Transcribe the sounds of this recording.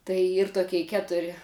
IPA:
tɐɪ ˈiːr toːˈkʲɛɪ ˈkʲæːtʊrʲɪ

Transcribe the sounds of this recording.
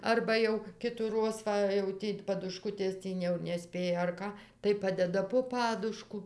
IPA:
ˈɐrbɐ jɛʊ kʲɪtuːˈroːs ˈʋɐ jɛʊ ˈtʲiː pɐdʊˈʃkʊtʲeːs ˈtʲiː jɛʊ nʲɛˈsʲpʲeːjɛ ɐr ˈkɐ tɐɪ ˈpɑːdʲɛdɐ poː ˈpɑːdʊʃkʊ

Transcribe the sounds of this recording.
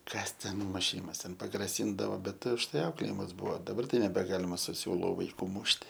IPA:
ˈkɐs tʲɛn mʊˈʃʲiːmɐs tʲɛn pɐɡrɐˈsʲiːndɐʋoː ˈbʲɛt ʊʃˈtɐɪ ˈɐʊklʲeːjɪmɐs ˈbʊʋoː dɐˈbɐr ˈtɐɪ nʲɛbʲɛˈɡɑːlʲɪmɐ sʊ ˈsʲuːlˠʊ ʋɐɪˈkuː ˈmʊʃʲtʲɪ

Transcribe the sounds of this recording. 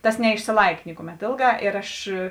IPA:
ˈtɐs nʲɛɪʃʲsʲɪˈlˠɐɪk ˈnʲɪkʊˌmʲɛt ˈeːlˠˌɡɑː ɪr ˈɐʃ

